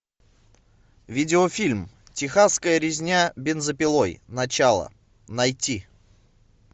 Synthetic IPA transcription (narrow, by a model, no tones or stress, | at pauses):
vʲidʲɪofʲilʲm | tʲɪxaskəjəɾʲɪzʲnʲabʲɪnzəpʲɪlˠojnɐt͡ɕalˠə̰ | nɐjtʲi